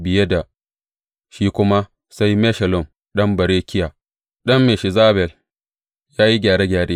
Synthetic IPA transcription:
bɪ˨je˦da˨ | ʃiː˦kʷʊ˦ma˦ | sa˦jmɛ˦ʃɛ˨lʊ˨m | ɗɐ˦mbɐ˨ɾeː˦kʲɪ˦ja˨ | ɗɐ˦mːe˨ʃɪ˨zaː˦bɛ˨l | jaː˦ji˦ɡʲaː˨ɾeː˦ɡʲaː˨ɽeː˦

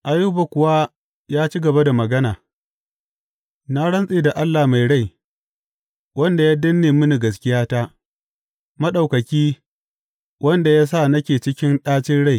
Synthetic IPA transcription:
ʔa˨ju˦ba˨kʷʊ˨waː˦ | jaː˦t͡ʃi˦ɡɐ˨ba˦da˨mɐ˨ɡɐ˦naː˨ | naː˦ɽɐ˦nsʼeː˨da˨ʔa˦lːaː˨ma˨jɽa˦˨j | wɐ˦nda˨jaː˦dɐ˦nːeː˨mʊ˦ni˨ɡɐ˨s̬kʲɪ˦jaː˦taː˦ | mɐ˦ɗa˨wkɐ˨kʲiː˦ | wʔɐ˦nda˨jaː˦s̬a˦˨nɐ˦kʲeː˨t͡ʃɪ˦kʲɪ˦nɗaː˦t͡ʃɪ˦nɽa˦j

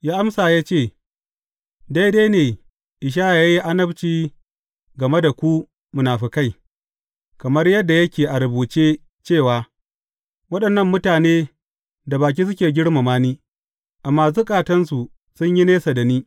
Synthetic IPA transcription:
jaː˦ʔa˦msaː˨jaː˦t͡ʃeː˦˨ | da˦jdeː˦jneː˨ | ʔɪ˨ʃ̬aː˦ja˨ja˦ji˦ʔa˦nɐ˦bt͡ʃiː˦ | ɡɐ˨me˦da˨kʷu˦ | mʊ˨naː˨ɸi˦ka˦˨j | kɐ˨mɐ˦rjɐ˦dːa˨jɐ˦kʲeː˨ʔa˨ɾʊ˨buː˨t͡ʃeː˦ | t͡ʃeː˦˨waː˨ | wɐ˦ɗɐ˨nːɐ˦˨mːʊ˦taː˨neː˦ | da˨baː˨k̬ʲiː˦s̬ʊ˦kʲeː˨ɡʲɪ˦ɽma˨maː˦niː˦ | ʔa˨mːaː˨s̬u˦kʼaː˨tɐ˦nsu˨ | sʊ˦ɲji˦neː˦sa˨dɐ˨niː˦

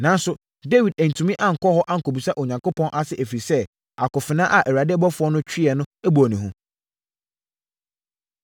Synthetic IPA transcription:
nã˨n˦sʊ˨ | de˦wi˨dæ˨n̩˨tʰũ˨mĩ˦ʔa˦ŋ̩˨kʰɔ˦hɔ˦ʔa˦ŋ̩˨kʰo˨bi˨sa˦ʔo˨ɲã˨ŋko˦pʰɔ̃˦nʔa˦sɪ˦ʔæ˨fi˨sɛ˦ | a˨kʊ˨fɪ˨nãː˦ʔa˨ʔæ˨wa˨dɪ˦ɛ˦bɔ˦fʊ˨˦ɔ˦nʊ̃˦t͡ɕᶣɪ˦ɛ˨nʊ̃˦æ˦bu˨ɔ˨nĩ˨ɦũ˦

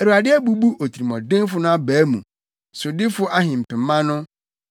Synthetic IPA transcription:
æ˨ɾu˨a˨dɪ˦æ˦bu˦bu˦ʔo˨tʰɾi˨mɔ̃˨dɪ̃˦n˦fʊ˦nʊ̃˦a˦bæː˨˦mṵ̃˨ | sʊ˨dɪ˦fʊ˦ʔa˦ɦɪ̃˨m̩˨pɪ̃˨mːã˦nʊ̃˦

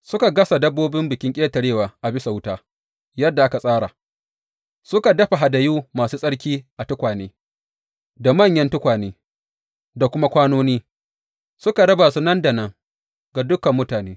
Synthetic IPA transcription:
sʊ˦ka˨ɡɐ˦sa˨dɐ˦bːoː˦bɪ˦mbɪ˨kʲɪ˦ŋkʲʼeː˦tɐ˨ɽeː˦˨waː˨ʔa˨bɪ˦sa˨wʊ˦taː˦ | jɐ˦dːa˨ʔa˦ka˨sʼaː˦ɽa˨ | sʊ˦ka˨dɐ˦ɸa˨ɦa˨da˨juː˦maː˨suː˦sʼɐ˦ɽkʲiː˦ʔa˨tʊ˦kʷaː˨neː˦ | da˨mɐ˦˨ɲjɐ˦ntʊ˦kʷaː˨neː˦ | da˨kʷʊ˦ma˦kʷaː˦noː˦niː˦ | sʊ˦ka˨ɽɐ˦baː˨su˦nɐ˦nda˨nɐ˦ŋ | ɡa˨dʊ˦kɐ˨mːʊ˦taː˨neː˦

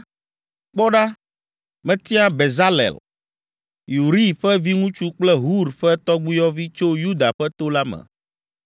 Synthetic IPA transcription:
k͡pɔ˦ɖa˦ | mɛ̃˨t̪i˦a˦be˨za˦lɛ̰˨l | ju˨ɾi˦ɸɛ˦vi˦ŋũ˦t͡ʃu˦k͡plɛ˦ɦu˦ɾɸɛ˦t̪ɔ˦ɡ͡bu˦jɔ˦vi˦t͡ʃo˦ju˦d̪a˨ɸɛ˦t̪o˦la˦mɛ̰̃˨

